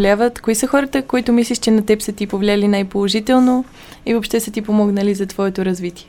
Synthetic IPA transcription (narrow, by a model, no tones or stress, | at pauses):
lʲavət̪koisəxɔɾət̪əkoit̪ʊmislʲiʃt͡ʃɛnɐt̪ɛpsət̪ipovlʲalinajpolˠoʒit̪ɛlˠno | ivopʃt̪ɛsət̪ipomɔɡnəlizɐt̪vɔɛt̪oɾɐzvit̪iɛ